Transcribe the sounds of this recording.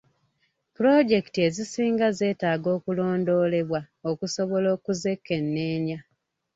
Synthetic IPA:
puɾo̞ɟe̞ktie̞zisiːŋɡaze̞ːtaːɡo̞ːkulo̞ːndo̞ːle̞βwa | okuso̞βo̞lo̞ːkuze̞kːe̞nːe̞ːɲa

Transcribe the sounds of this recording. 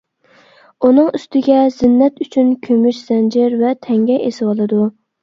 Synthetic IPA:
unɨŋyst̪ɪɡʲɛzɪnːɛt̪yt͡ʃʰynkʲʰømyʃz̥ɛnd͡ʒɪɾvɛt̪ʰɛŋɡʲɛʔesɪwɑlˠɨd̪u

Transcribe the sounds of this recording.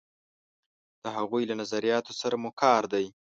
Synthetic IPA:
d̪̥əɦaɣujlanazaɾijɑt̪osaɾamukʰɑɾd̪aj

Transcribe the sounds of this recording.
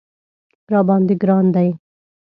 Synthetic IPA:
pɾaːbãːnd̪iɡɾãːnd̪ai

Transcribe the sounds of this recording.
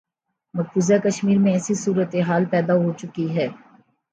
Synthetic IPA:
mɐkfuːzakəʃmiːɾmẽɛːsisuːɾət̪eɦaːlpɛːd̪aɦot͡ʃʊkiɦɛː

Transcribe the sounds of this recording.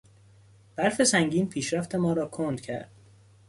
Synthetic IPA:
b̥æɾfe̞sæŋɟiːnpʰiːʃɾæft̪ʰe̞mɒːɾɒːkʰond̪̥cʰæ̰ɾd̪̥̚

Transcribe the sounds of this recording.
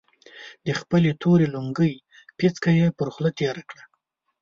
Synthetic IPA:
d̪əxpəlet̪ʰoɾeluŋɡəj | pit͡skajepəɾxlat̪eɾakɽa

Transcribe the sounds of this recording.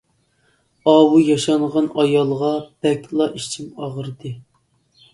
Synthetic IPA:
ɑwujɑʃɑɴʁɑnɑjɑlˠʁɑb̥ɛkʲlˠɑʔit͡ʃʰimɑʁəɾɨd̪ɨ

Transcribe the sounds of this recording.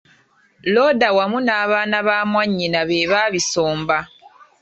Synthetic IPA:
lo̞ːdawamunaːβaːnaβaːmwaɲːinaβeːβaːβiso̞ːmba

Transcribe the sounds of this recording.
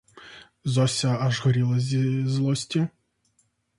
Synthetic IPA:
zɔsʲɐɐʐɣɔɾʲilˠɐzʲzlˠɔsʲtʲɪ

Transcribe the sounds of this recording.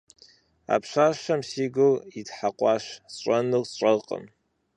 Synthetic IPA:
a̰pʰʂʷaʃamsiɡɨlidħaqʷʼaʃst͡ʃʷʼanɨst͡ʃʷʼɐqʼə̰m

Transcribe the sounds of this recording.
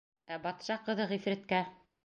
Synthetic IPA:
æbɑt̪ʃɑqɤ̆ðɤʁifɾæ̆t̪kæ

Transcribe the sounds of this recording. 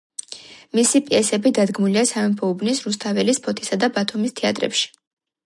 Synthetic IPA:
misipʼiɛsɛbid̪ad̪ɡmuliasavɛmpʰɔubnisɾust̪ʰavɛlispʰɔt̪ʰi̥sad̪abat̪ʰumist̪ʰɛa̰t̪ʼɾɛ̰pʃi̥

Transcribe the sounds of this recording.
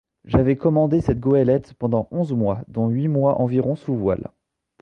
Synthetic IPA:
ʒavɛkɔmɑ̃d̪esɛt̪̚ɡoɛlɛt̪pɑ̃d̪ɑ̃ʔɔ̃zmwad̪ɔ̃ɥimwaʔɑ̃viʁɔ̃suvwa̰l

